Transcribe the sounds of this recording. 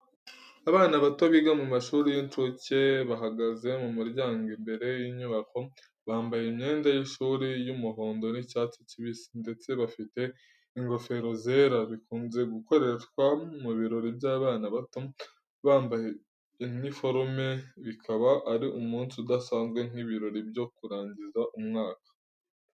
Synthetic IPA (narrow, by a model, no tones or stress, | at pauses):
aβaːnaβato̞βiɡamumaʃuːɾijint͡ʃoce̞βaɦaɡaze̞mumiɾɟaːŋɡimbe̞ɾe̞jiɲuβako̞ | βaːmbajeimɲe̞ːndajinʃuːɾijumuɦo̞ːndo̞nicaːt͡siciβisinde̞t͡se̞βafite̞ | iŋɡɾo̞fe̞ɾo̞zeːɾaβikuːnze̞ɡuko̞ɾe̞ʃkwamuβiɾo̞ɾibɟaːβaːnaβato | βaːmbaje | enifo̞ɾme̞βikʰaβaʔːɾiʔumuːnsudasaːnzɡwe̞n̥iβiɾo̞ɾibjo̞kuɾaːɲɟizaʔumŋaːkḁ